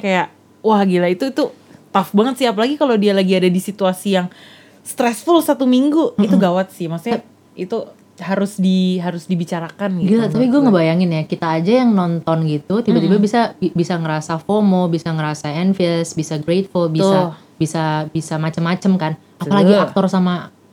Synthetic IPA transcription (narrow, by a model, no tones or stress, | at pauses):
kajaʔ | wahɡilait̪uit̪u | t̪afbaŋət̪sɪhapalaɡikalodialaɡiadadisit̪uasijaŋ | st̪ɾɛsfulsat̪umiŋɡuit̪uɡawat̪̚sɪhmasa | it̪u | haɾʊsdiɦaɾʊsdibit͡ʃaɾakanɡiɡilat̪apiɡuaŋəbajaŋɪnjakit̪aːd͡ʒajaŋnɔnt̪ɔnɡit̪ut̪ibat̪ibabisabibisaŋəɾasafomobisaŋəɾasaɛnfiɛsbisaɡɾet̪̚fulbia | bisabisamat͡ʃəmːat͡ʃəmkan | aalaɡiak̚t̪ɔrsama